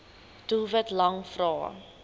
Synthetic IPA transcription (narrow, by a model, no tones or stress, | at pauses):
d̥uvətlɐŋfrɑ̰ː